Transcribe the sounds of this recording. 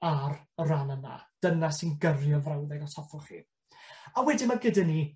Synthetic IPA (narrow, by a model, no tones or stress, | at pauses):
arranəna̰d̥ənasinɡərjɔvrawðɛɡɔtʰɔfɔχḭ | awɛdimaɡɪdɛni